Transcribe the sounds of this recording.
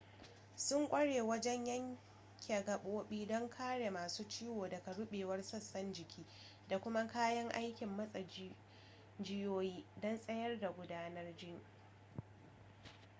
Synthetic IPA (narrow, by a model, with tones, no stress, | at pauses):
sʊ˦ŋkʷʼɐ˦ɽeː˨wɐ˦d͡ʒɛ˦ɲjɐ˦ŋ | kʲɐ˨ɡɐ˨ɓoː˦ɓiː˦dɔ˦ŋkʰaː˦ɽe˨maː˨suː˦t͡ʃiː˦woː˨dɐ˨ka˨ɽʊ˦ɓeː˨wɐ˦rsɐ˦sːɐ˦nd͡ʒɪ˨kʲʰiː˦ | da˨kʷʊ˦ma˦kaː˦jɐ˦ŋʔa˦jkʲɪ˨mːɐ˦sʼɐ˨ | d͡ʒɪ˦joː˦jiː˦dɔ˦nsʼɐ˦jɐ˦rda˨ɡʷʊ˦daː˦nɐ˦rd͡ʒɪ˦˨ŋ